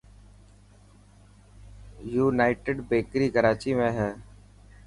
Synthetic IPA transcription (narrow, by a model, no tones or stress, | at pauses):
juːnaːɪʈeːɖbeːkɾiːkəɾaːt͡ʃiːmẽːɦɛː